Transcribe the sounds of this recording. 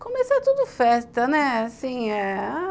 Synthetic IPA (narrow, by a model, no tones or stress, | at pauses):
kõmesat̪ud̪ʊfɛst̪ɐnɛasĩɛa